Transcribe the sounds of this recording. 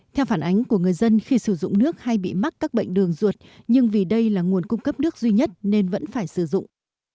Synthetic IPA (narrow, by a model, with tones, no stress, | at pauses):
t̪ʰɛ˧wfaː˧˩nʔa˨˦jŋ̟ku˧˩əŋɨ˨˩əjzə˧nxi˧sɨ˧˩zʊ̰˧˨ŋ͡mnɨ˦˥ək̚ha˧jɓḭ˧˨ma˦˥t̚kːaː˦˥k̚ɓə̰˧˨ŋ̟ɗɨ˨˩əŋzu˨˩ət̚ɲɨ˧ŋvi˨˩ɗə˧jlaː˨˩ŋu˨˩ənkʊ˧ŋ͡mkə˦˥p̚nɨ˦˥ək̚zwi˧ɲə˦˥t̚ne˧nvə̰˧˥nfaː˧˩jsɨ˧˩zʊ̰˧˨ŋ͡mʔ